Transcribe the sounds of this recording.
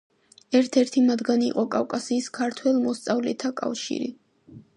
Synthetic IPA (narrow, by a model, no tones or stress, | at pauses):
ɛɾt̪ʰɛɾt̪ʰimad̪ɡanḭːqʼɔkʼafkʼasiːskʰaɾt̪ʰwɛlmɔst̪sʼavlɛt̪ʰakʼa̰fʃḭɾḭ